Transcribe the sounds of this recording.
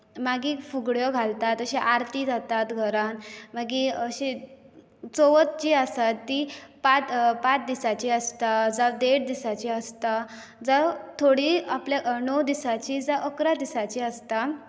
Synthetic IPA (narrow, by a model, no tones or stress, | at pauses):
maɡifuɡɽjɔɡʱalt̪at̪əɕeʔaɾt̪id͡zʱat̪at̪ɡʱəɾãnmaɡiəɕe | t͡soʋət̪t͡ɕiəsat̪ːipat͡spat͡sd̪isat͡ɕiəst̪ad͡zad̪eʈd̪isat͡ɕiəst̪a | d͡zət̪ʰoɽiaplanɔwd̪isat͡ɕid͡zəʔəkɾad̪isat͡ɕiəst̪a